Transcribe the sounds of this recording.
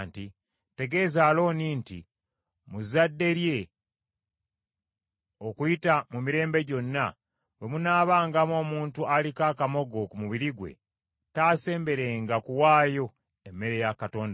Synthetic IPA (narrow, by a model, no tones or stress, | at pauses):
nti | te̞ɡe̞ːzaːlo̞ːniːntḭ | muzadːe̞ɾje̞ | o̞kuitamumiɾe̞ːmbe̞ɟo̞nːa | we̞munaːβaːŋɡamo̞ːmuːntualikaːkamo̞ɡo̞kumuβiɾiɡwḛ | taːse̞ːmbe̞ɾe̞ːŋɡakuwaːjo̞ | emːe̞ɾe̞jakato̞ːnda